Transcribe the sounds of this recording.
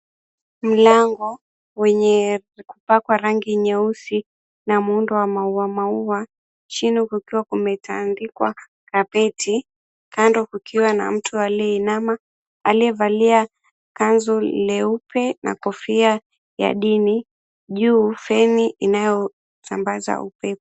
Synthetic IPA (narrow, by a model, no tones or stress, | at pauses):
m̩laŋɡɔ | wɛɲɛkupakwaɾaŋɡiɲɛusi | namundɔwamauwamauwa | t͡ʃinikukiwakumɛta̰ndikwa̰ | kapɛtʰi | kandɔkukʰiwana̰m̩tʰualiɛinama | aliɛvalia | kanzulɛupʰɛna̰kɔfia | ja̰ɗini | ʄuːfɛniʔinajɔ | sambaza̰upɛpɔ̥